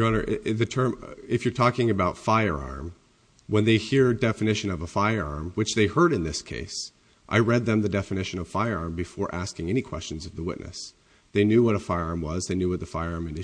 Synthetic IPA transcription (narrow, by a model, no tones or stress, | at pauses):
ʌɾə˞ʔðɨtʰɜ̃˞mɨfjə˞tʰɔkɪ̃ŋɨbaʊtfaɪə˞ɑ̰ɹm | wə̃nðeɪhiɹdɛfɨnɪʃɨ̃nʌvəfaɪə˞ɑ̰ɹmwɨt͡ʃðeɪhɜ˞ɾɨ̃nðɪskʰḛɪs | ʔa̰ɪɹɛd̪̚ðɨ̃mðɨdɛfɨnɪʃɨ̃nʌv̥faɪə˞ɑɹmbɨfɔɹʔæskɪ̃ŋɛnikʰw̥ɛ̰st͡ʃɨ̃n̩zʌvðəwɪ̰ʔⁿnʔɨ̰s | ðeɪnjʉwʌɾəfaɪə˞ɑɹmwʌzðeɪnjʉwʌt̪̚ðəfaɪə˞ɑɹmɨ̃n